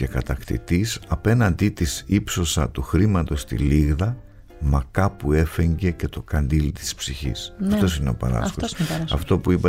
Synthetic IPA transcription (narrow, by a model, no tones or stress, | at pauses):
e̞kɐt̪ɐkt̪ḭt̪isɐpe̞nɐnd̪it̪isipso̞sɐt̪uxɾimɐt̪o̞st̪ḭliɣðɐ | mɐkɐpue̞feɲɟe̞ce̞t̪o̞kɐnd̪ilt̪i̥spsiçḭsɐft̪o̞s̬ineopɐ̰ɾɐ̰skosɐ̰ft̪o̞puipɐ